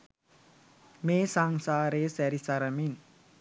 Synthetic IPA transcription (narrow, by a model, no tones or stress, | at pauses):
mesaŋsaɾesɛɾisaɾamin